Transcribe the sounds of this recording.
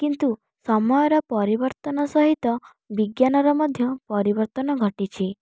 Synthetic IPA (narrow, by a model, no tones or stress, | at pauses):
kint̪u | sɔmɔjɔɾɔpɔɾibɔɾt̪ɔnɔsɔɦit̪ɔ | biɡjanɔɾɔmɔd̪ʱjɔpɔɾibɔɾt̪ɔnɔɡʱəʈit͡ʃʰi